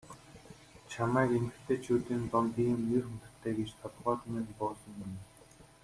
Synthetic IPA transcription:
t͡ɕʰamæːkemɘ̆xt̪ʰeːt͡ɕʰuːt̪iːnt͡s̪ɔnt̪iːmnerxɵnt̪ɘ̆rt̪ʰːeːɡet͡ɕt̪ʰɔt̪ʁɔːt̪meːnt̪pɔːsɞ̆mːin

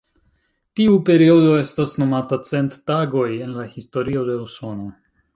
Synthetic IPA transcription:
tiupe̞ɾio̞do̞e̞stasno̞matat͡se̞ntːaɡo̞je̞nlahisto̞ɾio̞de̞uso̞no

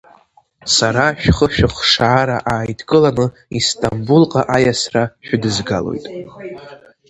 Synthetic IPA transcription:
saɾaʃᶣχəʃᶣɨχʂaːɾaʔaːjdʰkʼɨlanɨ | istʼambulqʼaʔajasraʃᶣʊdɨzɡalo̞̰jtʼ

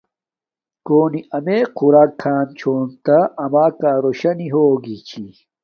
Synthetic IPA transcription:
koːniɐmeːquɾaːkʰːaːnt͡ɕʰoːnt̪aʔɐmaːkaːɾoɕɐniɦoːɡit͡ɕʰi

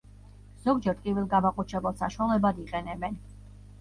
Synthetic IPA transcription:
z̥ɔɡd͡ʒɛɾt̪kʼivilˠɡamaqʼut͡ʃʰɛbalˠsaʃwalɛbad̪iqʼɛnɛbɛn

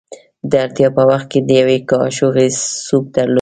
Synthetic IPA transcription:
d̪əaɾt̪ijɑpəwaxt̪̚ked̪əjawekɑʃoɣesub̚d̪aɾlo

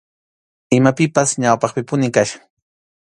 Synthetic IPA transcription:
ɪmapɪpasɲawpɑχpɪpʊnɪkaʃaŋ

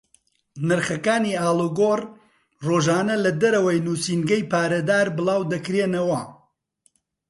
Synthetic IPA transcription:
nɐɾχɐkaːniːaːlˠuɡoːr | roːʒaːnɐlɐd̪ɐɾɐwɐjnuːsiːnɡɐjpaːɾɐd̪aːɾbɨlaːwd̪ɐkɾeːnɐwɐ

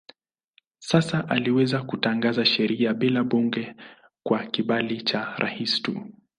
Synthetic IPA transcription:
sasaʔaliwɛzakutaŋɡazaʃɛɾiaɓilaɓuŋɡɛ | kwakiɓalit͡ʃaɾʔa̰histṵ

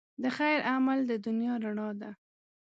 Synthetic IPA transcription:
d̪əxajɾʔamald̪əd̪ʊnjɑɾaɳɑd̪a

